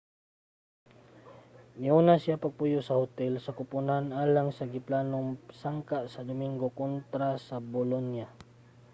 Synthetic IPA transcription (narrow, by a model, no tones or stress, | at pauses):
mɪunasijapaɡ̚pʊjʊsɐhʊt̪ɛlsɐkʊpʊnanʔaːlaŋsɐɡɪplaːnoŋsaŋkaʔsɐd̪ʊmɪŋɡokont̪ɾasabʊlonja